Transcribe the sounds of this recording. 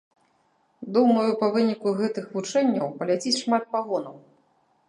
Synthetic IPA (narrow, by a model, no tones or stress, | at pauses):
d̪umɐjupɐvɨnʲikuɣɛt̪ɨxvut͡ʂɛnʲːɐwpɐlʲat͡sʲit͡sʲʂmat̪̚paɣɔnɐw